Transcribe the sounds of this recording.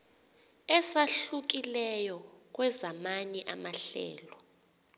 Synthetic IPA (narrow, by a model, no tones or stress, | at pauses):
ɛsaɬuk̬ilɛjɔ | k̬wɛzamaniʔamaɬɛ̰ːlɔ